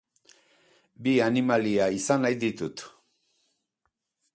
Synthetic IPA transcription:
bianimaliaisanajd̪it̪ut̪

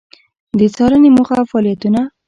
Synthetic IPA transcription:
d̪ət͡sɑɾənemuxafɑlijat̪una

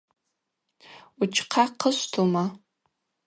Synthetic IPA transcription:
ut͡ʃʰqʰaqʰəʃʷtʰoma

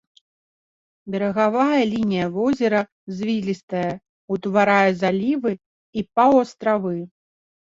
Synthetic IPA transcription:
bʲɛɾɐɣavajɐlʲinʲijɐvɔzʲɛɾɐ | zʲvʲilʲist̪ɐjɐ | ut̪vaɾajɛzalʲivɨ | ipawɐst̪ɾavɨ

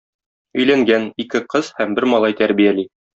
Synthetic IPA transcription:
ɵ̆jlæŋɡænikɘqɤz̥hæmbɘɾmɒlˠɑjt̪æɾbijæli

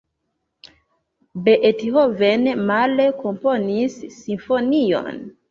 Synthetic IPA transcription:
beʔetiɦovenmaleko̞mpo̞nisːinfo̞nio̞̰n

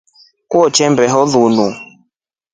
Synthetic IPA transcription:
kuɔt͡ʃɛmbɛɦɔðunu

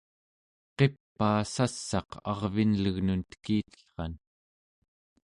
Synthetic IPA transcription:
qe̞pːaːsasːɑqɑ̰ʁvinləɣnunt̪ə̥kiːt̪ə̥ɬχɑn

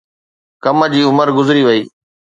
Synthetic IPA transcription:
kɐməd͡ʑiːʊməɾɡʊzɾiʋɐiː

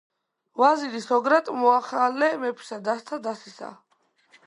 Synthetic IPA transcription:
vazilisɔɡɾat̪ʼmɔaχalːɛmɛpʰi̥sad̪ast̪ʰad̪asisa̰

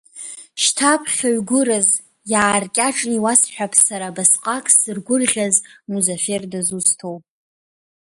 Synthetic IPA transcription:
ʃtʰapʰχʲaɥɡʷʊɾaz | jaːrkʲʼaʈ͡ʂʼniwasħʷᶣapʰsaɾabasqʼakʼsɨrɡʷʊrʁʲazmuzofe̞rdazustʰowpʼ

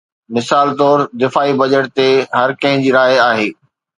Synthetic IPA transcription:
mɪsaːlt̪ɔːɾd̪ɪfaːibɐd͡ʑəʈ̚t̪eɦɐɾkɐ̃ɦɪ̃d͡ʑiːɾaːjaːɦeː

